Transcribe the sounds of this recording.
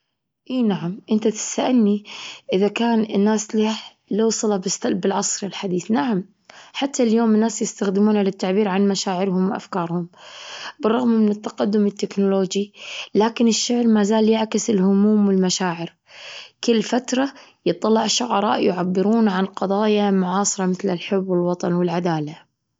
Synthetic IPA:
ʔiːnaʕamʔɪnt̪at̪ɪ̥st̪aʔanːiʔɪðakaːnɪnːaːsli | lawsˤɑlɑbɪst̪abɪlʕɑsˤɾɪlħad̪iːθnaʕam | ħat̪ʰːaljoːmɪnːaːsjɪst̪axd̪ɪmuːnalɪt̪ːaʕbiːɾʕanmaʃaːʕɪɾhʊmwʔa̰fkɑːɾˤhʊmbɨrˤːɑɣmːɪnɪt̪ːaqad̪ːʊmɪt̪ːɪknʊloːd͡ʒilaːkɪnɪʃːaʕɾmazaːljaʕkɪsɪlhʊmuːmwɪlmaʃaːʕɪɾ | kɪlːfat̪ɾˤɑjɨt̪ˤːɑlːɑʕʃːʊʕɑɾˤɑ̰ːʔjʊʕabːɪɾuːnʕanqɑðˤɑːjamʊʕɑːsˤɨɾˤɑmɪθlɪlħʊbːwɪlwɑt̪ˤɑnwɪlʕad̪aːla

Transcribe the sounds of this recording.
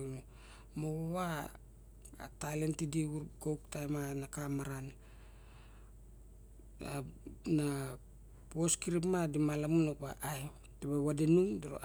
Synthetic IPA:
n | moowa | a̰tajlentidiuɡowktajmanakamaɾan | ana | poskiɾipmadimalamunokaʔaj | teβawadenuŋdoɾo̰

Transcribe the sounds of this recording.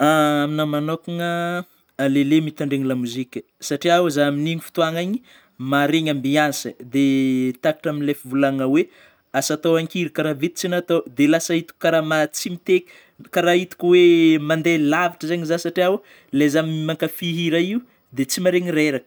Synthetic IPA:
aminamanokaŋə | alelemit̪aɳɖ͡ʐeŋilamuzikʲə̥ | saʈ͡ʂiawazaaminiŋifi̥t̪uaŋaɲi̥ | maɾeɲambiansəd̪et̪akḁʈ͡ʂamilefivulaŋəwe | asat̪owaŋkiɾikaɾavet̪i̥t͡sinat̪od̪elasait̪u̥kʲukːaɾamat͡simit̪ekʲi̥ | kaɾait̪u̥kʲuwemand̪elavaʈ͡ʂəzaɲizasaʈ͡ʂiaw | lezamiimaŋkafiɦiɾaiu | d̪et͡simaɾeŋiɾeɾakə̥

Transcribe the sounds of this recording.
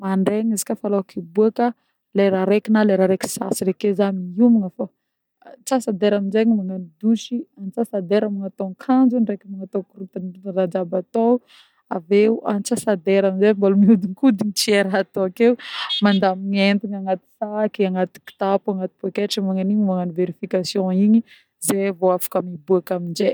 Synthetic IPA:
maɳɖ͡ʐeɲizikʲafaloakibuakə | leɾaɾekinaleɾaɾeki̥sa̰siɾekezaniiumiŋəfa | t͡sasad̪eɾaminzeɲimaŋanid̪uʃianit͡sasad̪eɾamaŋat̪oŋkʰand͡ʒunrekamaŋat̪okuɾut̪anrad͡ʒabat̪o | aveuʔa̰nit͡sasad̪eɾaminzembalumiud̪iŋkud̪iɲit͡sieɾaat̪oakeumand̪amiɲent̪iɲaŋat̪i̥sakiaŋat̪i̥ki̥t̪apuaŋat̪i̥pekeʈ͡ʂimaŋaniɲimaŋaniveɾifikasjɔ̃iɲi | zevoafḁkamibuakamind͡ʒe

